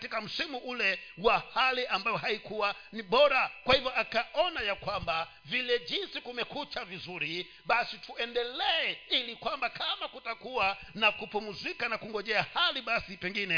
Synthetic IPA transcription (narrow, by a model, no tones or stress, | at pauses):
ktikam̩simuʔulɛwahaliʔambajɔhaikuwa | niɓɔɾakwahivjɔʔakaʔɔnajakwamba | vilɛd͡ʒinsikumɛkut͡ʃavizuɾi | ɓasitʰuɛndɛlɛɛilikwambakʰamakutakuwanakupumuzikanakuŋɡɔʄɛahaliɓasipɛŋɡinɛ